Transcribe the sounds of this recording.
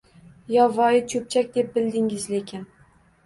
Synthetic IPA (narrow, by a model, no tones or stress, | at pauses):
jɒvɒjɪt͡ʃʰɵp̚t͡ʃʰak̚ʲd̪e̞p̚bɪld̪ɪŋɪzlekʲɪn